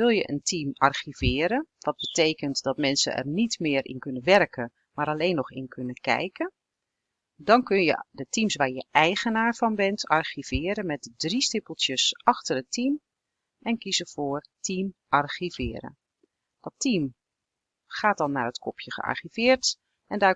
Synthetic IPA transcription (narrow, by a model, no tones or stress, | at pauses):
ʋɪlˠjə̰ʔə̰ntʰimɑrxivɪːɾənʋɑt̚bətejkəntdɔtmɛnsə̰ʔɛ̰rnitmɪːəɾʔɪ̰nkønəʋɛrkʰə | maːɾaleːnːɔxɪnkʰønəkɛ̰jkə | dɔnkønjə̰dətimsʋaːɹjəʔɛjɣənaːɹv̥ɑnbɛntʰɑrxiv̥ɪːəɾənmɛt̚dədristɪpəl̩ˠtjəsʔɑxtərətim | ʔɛnkizəvoːrtimʔɑrxivɪːɾə̰n | d̥ɔtim | χaːtɔlˠnaːrətkʰɔpʰjəχə̰ɑ̰ɹχiv̥ɪːərt | ʔɛndaː